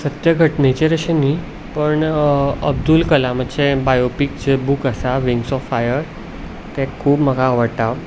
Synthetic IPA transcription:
sət̪jəɡʱəʈnet͡ɕeɾəɕeni | pəɳəb̚d̪ulkəlaməʈɕebajopik̚d͡ʑebuːkəsaʋiŋɡsɔfajəɾ | t̪ɛkʰuːbməɡʱaːʋəɽt̪a

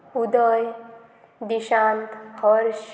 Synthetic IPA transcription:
ud̪ɔj | d̪iʃãːnt̪hɔɾʃ

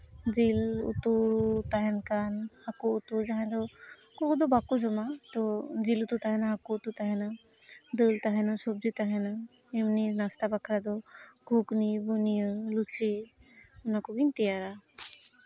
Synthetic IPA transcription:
d͡ʒilṵt̪ut̪aɦenkanhakuːt̪ud͡ʒaɦẽd̪ɔ | kokud̪ɔbakud͡ʒɔmat̪ɔd͡ʒilut̪ut̪aɦenaɦakuːt̪ut̪aɦenad̪əlt̪aɦenasob̚d͡ʒit̪aɦena | emninast̪abakʰɾad̪ɔɡʱuknibunijəlut͡ʃe | unakoɡint̪ijaɾa

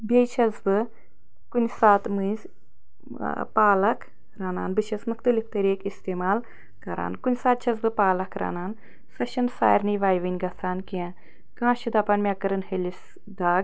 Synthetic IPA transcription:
bʲejt͡ʃʰɐzbɨ | kunʲsaːt̪mɨzʲ | paːlɐkʰ | ɾaːna̰ːnbɨʃeːsmuxt̪ɐlift̪ɐɾiːkist̪eːmaːl | kɐɾa̰ːnkunʲsaːt̪̚t͡ʃʰɐzbɨpaːlɐkʰɾa̰ːnaːn | sɐʃɐnsa̰ːjɾniːʋaːjʋɐnʲɡɐsʰaːnkiã | kãːʃid̪ɐpɐːnmʲaːkɐɾɐnɦelʲis | d̪aːɡ

